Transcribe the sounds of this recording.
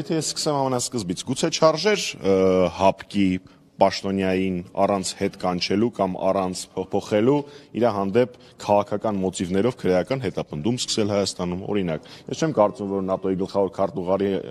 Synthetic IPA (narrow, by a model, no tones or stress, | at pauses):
jɛt̪ʰɛjɛsːkə̥sɛmɑmɛnɑskəzbit͡sʰɡut͡sʰɛt͡ʃʰɑɾʒɛɾ | hɑpʰki | pɑʃt̪ɔnjɑjinɑ̰rɑnt͡sʰhɛt̪kɑnt͡ʃʰɛlukɑmɑ̰rɑnt͡sʰpʰɔχɛluiɾɑɦɑnd̪ɛpʰ | kʰɑʁɑkʰɑkɑnmɔt̪ivnɛɾɔvkʰəɾjɑkɑnɦɛt̪ɑpənd̪umskʰə̥sɛlhɑjɑst̪ɑnumɔ̰ɾinɑkjɛst͡ʃʰɛmkɑɾt͡sumvɔɾnɑt̪ɔjiɡəlχɑvɔɾkʰɑɾt̪uʁɑɾi